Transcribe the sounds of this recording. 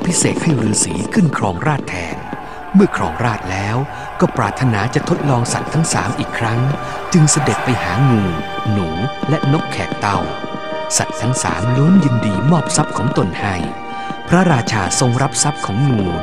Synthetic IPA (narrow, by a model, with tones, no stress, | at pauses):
pʰi˦˥seː˨˩t̪̚ha˥˩jɾɯː˦˥siː˩˦kʰɯ˥˩nkʰɾɔː˧ŋɾaː˥˩t̪ʰːɛ̰ː˧n | mɯ˥˩ɐkʰɾɔː˧ŋɾaː˥˩t̪̚lɛː˦˥w | kɔː˥˩pɾaː˨˩t̪ʰːa˧naː˩˦t͡ɕa˨˩t̪ʰo˦˥t̪̚lɔː˧ŋsa̰˨˩t̪ʰːa˦˥ŋsa̰ː˩˦mʔiː˨˩kʰːɾa˦˥ŋ | t͡ɕɯ˧ŋsa˧de˨˩t̪̚pa˧jhaː˩˦ŋuː˧nuː˩˦lɛ˦˥no˦˥p̚kʰɛː˨˩k̚t̪a˧˩w | sa̰˨˩t̪ʰːa˦˥ŋsa̰ː˩˦mluː˦˥njɯ˧ndiː˧mɔː˥˩p̚sa˦˥p̚kʰɔː˩˦ŋt̪o˧nha˥˩j | pʰɾa˦˥ɾaː˧t͡ɕʰaː˧so˧ŋɾa˦˥p̚sa˦˥p̚kʰɔː˩˦ŋŋuː˧